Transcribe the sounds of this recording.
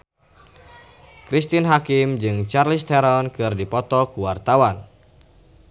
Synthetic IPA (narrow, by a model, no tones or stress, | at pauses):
kɾist̪inɦakimd͡ʒɨŋt͡ʃarlist̪ɛɾɔnkɨrdipɔt̪ɔkuwart̪awan